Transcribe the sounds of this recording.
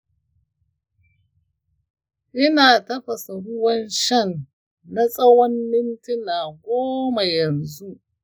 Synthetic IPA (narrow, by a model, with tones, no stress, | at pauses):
ʔɪ˦naː˨tɐ˦ɸɐ˨sa˨ɽʊ˦wɐ˦nʃɐ˦˨nː | a˦sʼɐ˦wɔ˦mːɪ˦ntɪ˦naː˨ɡʷoː˦ma˨jɐ˨nzu˦ʔ